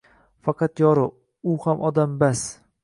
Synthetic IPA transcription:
fɑqʰɑt̪jɒɾɪ | ʊhamʔɒd̪ambas

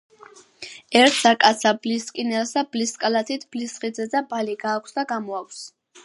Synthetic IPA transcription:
ɛɾt̪ʰsakʼat̪sʰabliskʼinɛlsd̪abliskʼalat̪ʰit̪ʰb̥lisχid̪zɛd̪abaliɡaːkʷʰsd̪aɡamɔakʷʰs

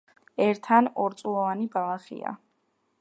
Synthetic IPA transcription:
ɛɾt̪ʰanɔɾt̪sʼulˠɔvanibalˠaχḭa̰

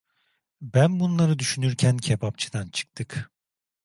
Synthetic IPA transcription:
bænbunlˠaɾɯd̪yʃynyɾcʰæncʰebap̚t͡ʃʰɯd̪ant͡ʃʰɯ̥k̚t̪ʰɯk

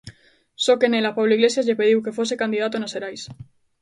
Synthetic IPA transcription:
sokenelapaβloiɣle̞sjazʎepeðiwke̞fosekand̪iðat̪̬onaseɾajs

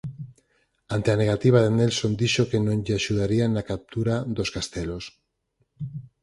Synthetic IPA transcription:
ant̪eaneɣ̞at̪iβ̞aðenelsond̪iʃokenõnʎeaʃuðaɾianakap̚t̪uɾad̪oskast̪elos

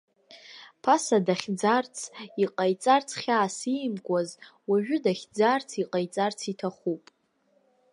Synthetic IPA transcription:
pʰasadaχʲd͡zart͡sʰiqʼajt͡sʼart͡sʰχʲaːsijmkʷʼazwaʒᶣʊdaχʲd͡zart͡sʰiqʼajt͡sʼart͡sʰitʰaχupʼ

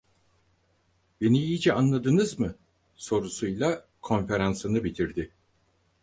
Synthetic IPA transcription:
be̞niijid͡ʒɛanlˠad̪ɯnɯzmɯ | so̞ɾusujlˠa | kʰo̞nfe̞ɾansɯnɯbit̪ʰiɾd̪ɪ

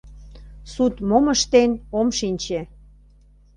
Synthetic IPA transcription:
sut̪moməʃt̪enomʃinʲt͡ɕe

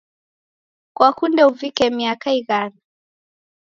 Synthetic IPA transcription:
kwakundɛuvikɛmiakaiɣana

